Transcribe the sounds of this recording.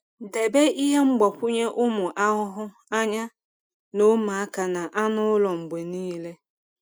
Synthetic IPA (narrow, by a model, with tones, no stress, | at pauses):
de˨be˦ʔi˦ɦe˦ŋ͡m̩˦ɡ͡bɔ˨pʷʊ˦ɲe˦ʔʊ˦mʊ˨ʔa˦ɦʊ˦ɦʊ˦ | a˦ɲa˦ | no˦ma˨a˦ka˨na˨ʔa˦nʊ˦ʊ˦lɔ˨ŋ͡m̩˨ɡ͡be˨niː˦le˦